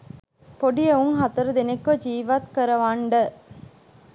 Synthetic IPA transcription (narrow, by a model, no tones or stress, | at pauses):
poɖijɐuŋɦɐt̪ɐɾɐd̪enekʋɐd͡ʒiːʋat̪kɐɾɐʋaɳɖə